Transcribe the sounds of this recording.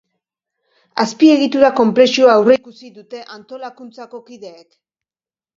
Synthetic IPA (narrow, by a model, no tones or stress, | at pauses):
aspie̞ɣit̪uɾako̞mple̞sioaːwreikusiðut̪e̞ʔant̪o̞lakunt͡sako̞kiðe̞ːk